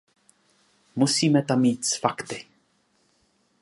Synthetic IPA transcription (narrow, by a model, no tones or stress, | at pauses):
musiːmɛt̪amːiːt̪sfakt̪ɪ